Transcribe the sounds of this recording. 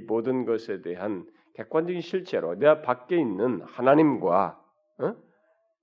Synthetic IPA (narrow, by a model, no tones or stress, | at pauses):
modɯnɡʌsʰe̞de̞ɦan | ke̞k͈wand͡ʑʌɡinɕʰiɭt͡ɕ͈ʰe̞ɾo̰neɡapak͈̚e̞inːɯnhanaɲimɡwa̰